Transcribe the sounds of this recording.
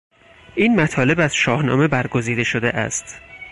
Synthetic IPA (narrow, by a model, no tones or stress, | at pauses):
ʔiːnmæt̪ʰɒːle̞bæz̥ʃɒːhnɒ̰ːme̞bæɾɡo̞ziːd̪e̞ʃod̪eʔæ̰st̪